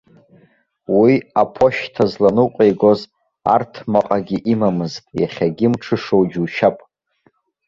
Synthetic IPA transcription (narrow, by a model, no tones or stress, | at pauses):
wiapʰo̞ʃtʰazlanɨqʷʼejɡo̞z | a̰rtʰmaqʼaɡʲiʔimamɨztʼjaχʲaɡʲɪmʈ͡ʂʰɨʂo̞wd͡ʒuwʃapʼ